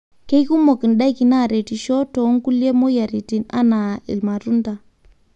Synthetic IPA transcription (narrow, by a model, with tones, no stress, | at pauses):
ke˦jku˦mo˨ki˨nɗa˦jki˨na˦˨ɾe˨ti˨ʃo˦to˨˦ŋku˦le˦mo˦ja˨ɾi˨ti˨na̰˦na˨ḭ˨lma˨ɾu˦nta˨